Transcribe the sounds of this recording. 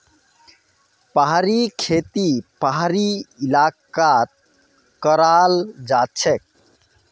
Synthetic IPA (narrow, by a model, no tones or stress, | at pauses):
paɦaɾikʰet̪ipaɦɾiilakat̪̚ | kəɾald͡ʒat͡ʃʰek̚